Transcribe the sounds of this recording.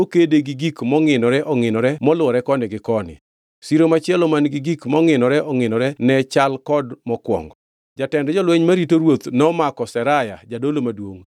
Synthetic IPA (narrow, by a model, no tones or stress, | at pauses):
okedeɡiɡikmɔŋɪnɔɾɛʔɔŋɪnɔɾɛmɔlʊɔɾɛkɔnɪɡɪkɔnɪ̰ | siɾomat͡ʃɛlɔmanɡɪɡikmɔŋɪnɔɾɛʔɔŋɪnɔɾɛnɛt͡ʃalkɔdmɔkwɔ̰ŋɡɔ | d͡ʒatɛndɛd͡ʒɔlweɲmaɾitoɾwot̪nɔmakɔsɛɾaja̰d͡ʒadolomadwoŋ